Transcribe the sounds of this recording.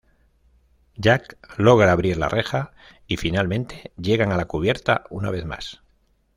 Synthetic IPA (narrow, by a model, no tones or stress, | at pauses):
ɟ͡ʝaklo̞ɣ̞ɾaːβ̞ɾiɾla̰rʔe̞xa | ifinalmẽ̞nt̪e̞ʎe̞ɣ̞aŋalakuβ̞je̞ɾt̪a̰una̰β̞e̞θma̰s